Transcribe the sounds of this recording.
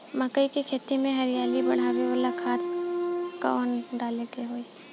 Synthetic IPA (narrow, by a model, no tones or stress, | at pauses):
mɐkəikikʰeːt̪imẽɦɐɾijaːlibɐɽ̤abiʋəlakʰaːt̪ | ka̰ɔːnɖaːlek̪eɦoːi